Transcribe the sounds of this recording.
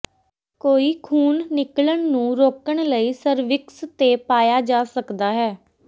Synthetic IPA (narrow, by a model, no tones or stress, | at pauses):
koːiːkʰuːnːɪkləɳnũːɾoːkəɳ̃ləiːsəɾʋɪkst̪eːpaːjaːd͡ʒaːsəkd̪aːɦɛː